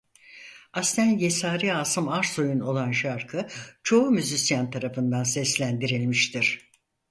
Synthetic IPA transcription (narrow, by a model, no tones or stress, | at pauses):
ast̪ʰænje̞saːɾiaːsɯmaɾso̞juno̞lˠanʃaɾkʰɯt͡ʃʰo̞umyzisjant̪ʰaɾafɯnd̪ansɛslʲænd̪iɾilʲmiʃt̪ʰiɾ̥